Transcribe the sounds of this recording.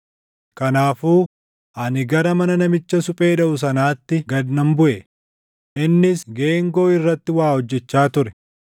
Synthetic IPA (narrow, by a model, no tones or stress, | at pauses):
kɐnaːfuː | ʔɐnɪɡɐɾɐmɐnɐnɐmɪt͡ʃːɐsʊpʼe̞ːᶑɐʔʊs̬ɐnaːt̪ːɪɡɐd̪nɐmbʊʔɛ | ʔɪnːɪsɡe̞ːŋɡo̞ːɪrːɐt̪ːɪwaːhɔd͡ʒːɛt͡ʃːaːt̪ʊɾɛ̥